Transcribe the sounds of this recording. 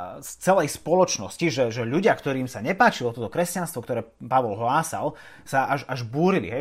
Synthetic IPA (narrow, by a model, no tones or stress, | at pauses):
st͡sɛlɛjspɔlɔt͡ʃnɔsciʒɛʒɛʎuɟɪakt̪ɔɾiːmsaɲɛpaːt͡ʃilɔt̪ɔt̪ɔkɾɛscanst̪ʋɔkt̪ɔɾɛːpaʋɔlɦlaːsa̰l | saʔaʒaʒbuːɾilḭɦɛ